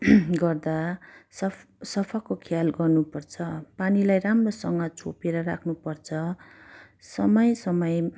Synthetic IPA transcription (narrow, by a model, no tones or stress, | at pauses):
ɡʌrd̪asʌ | sʌpʰakokʰjalɡʌrnupʌrt͡sʰʌpanilajramrosʌŋɡʌt͡sʰo̰peɾʌɾa̰kʰnupʌrt͡sʰʌ | sʌmʌjsʌmʌj